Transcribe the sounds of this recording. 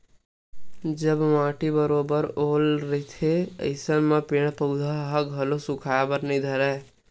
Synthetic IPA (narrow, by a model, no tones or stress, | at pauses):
d͡ʒəbmãːʈibəɾoːbəɾoːlɾet̪ʰeə̰ɪsənmepeːɽ̃pəʊd̪ʱaɦəɡʱəlosʊ̃kʰaːebəɾnĩd̪ʱəɾɛ